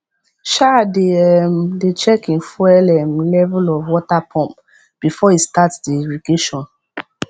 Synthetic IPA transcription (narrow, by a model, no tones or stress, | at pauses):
ʃadeɛmdet͡ʃɛkĩnfwɛlɛmlɛvulɔvwɔtapʰɔ̃mp | b̥ifɔhistatsdiɹiɡeʃɔ̃n